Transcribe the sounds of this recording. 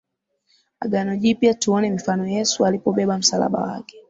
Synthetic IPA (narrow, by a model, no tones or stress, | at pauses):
a̰ɡanɔʄiːpiatuɔnɛm̩fanɔjɛsualipɔɓɛɓam̩sala̰ɓa̰wa̰kɛ̥